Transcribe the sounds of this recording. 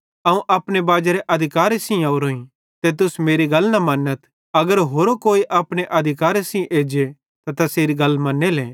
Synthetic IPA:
ɐũʔɐːpɽ̃ebaːd͡ʒeɾeʔɐd̪ʱɪkaːɾesĩaʊɾoːĩ | t̪et̪̬ʊsmeːɾiɡɐlnɐmɐnːət̪ | ɐɡəɾɦoːɾokoːiʔɐpɽ̃eʔɐd̪ʱɪkaːɾesĩʔeːd͡ʒe | t̪at̪ɐseːɾiɡɐlːmɐnːeleː

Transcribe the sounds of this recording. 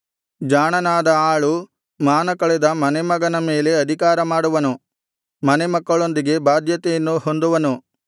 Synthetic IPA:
d͡ʒaːɳɐnaːd̪ɐaːɭu | maːnɐkɐɭɛd̪ɐmɐnemɐɡɐnɐmeːle̞ɐd̪ʱikaːɾɐmaːɽuʋɐnu | mɐnemɐkːɐɭo̞nd̪iɡe̞baːd̪ʱjɐt̪ɛjɐnːuho̞nd̪uʋɐnu

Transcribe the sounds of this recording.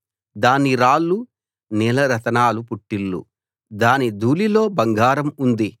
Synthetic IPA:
d̪aːniɾaːlːu | nɛːlɐɾɐt̪ɐnaːlupuʈːilːṵ | d̪aːnid̪ʱuːlilo̞ːbɐŋɡaːɾɐmund̪i

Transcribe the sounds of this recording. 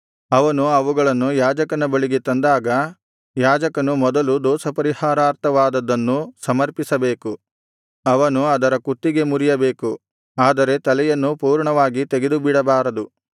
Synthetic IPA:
ɐʋɐnuɐʋuɡɐɭɐnːujaːd͡ʒɐkɐnɐbɐɭiɡet̪ɐnd̪aːɡɐ | jaːd͡ʒɐkɐnumɔd̪ɐlud̪ɔːsɐpɐɾihaːɾaːɾt̪ʰɐʋaːd̪ɐd̪ːɐnːusɐmɐɾpisɐbe̞ːku | ɐʋɐnuɐd̪ɐɾɐkut̪ːiɡe̞muɾijɐbe̞ːku | aːd̪ɐɾe̞t̪ɐlɛjɐnːupuːɾɳɐʋaːɡit̪eɡe̞d̪ubiɽɐbaːɾɐd̪u

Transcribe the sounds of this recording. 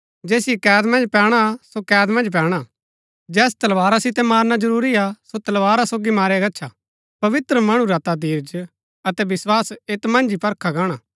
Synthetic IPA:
d͡ʒɛːsɪjɛkɛːd̪mɐ̃nd͡ʒpɛːɽ̃asokɛːd̪mɐ̃nd͡ʒp̬ɛːɽ̃a | d͡ʒɛːs̬t̪ɐlʋaːɾasɪt̪ɛmaːɾnad͡ʒɐɾuːɾiasot̪ɐlʋaːɾasoːɡimaːɾaɡɐtːt͡ʃʰa | pɐʋɪt̪ɾəmɐɽ̃ũɾat̪ad̪iːɾd͡ʒ | ɐt̪ɛbɪswaːseːt̪mɐ̃nd͡ʒipɐɾkʰaɡaːɽ̃aː

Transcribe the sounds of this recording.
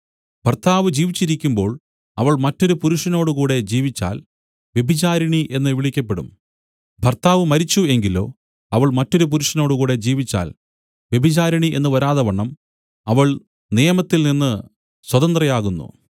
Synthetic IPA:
bʱɐrt̪ʰaːʋɨd͡ʑiːʋit͡ɕːiɾikʲːumbo̞ːɭ | ɐʋɐɭmɐtːo̞ɾupuɾuʂɐno̞ːɽukuːɽe̞d͡ʑiːʋit͡ɕːa̰ːl | ʋje̞bʱit͡ɕaːɾɐɳiʔe̞nːɨʋiɭikʲːɐp̬ːe̞ɽṵm | bʱɐrt̪aːʋɨmɐɾit͡ɕːue̞ŋɡilo̞̰ː | ɐʋɐɭmɐtːo̞ɾup̬uɾuʂɐno̞ːɽukuːɽe̞d͡ʑiːʋit͡ɕːa̰ːl | ʋje̞bʱit͡ɕaːɾɐɳiʔe̞nːɨʋɐɾaːðɐʋɐɳːɐm | ɐʋɐɭ | nijɐmɐt̪ːilninːɨ | swɐðɐnd̪rɐjaːɣunːṵ

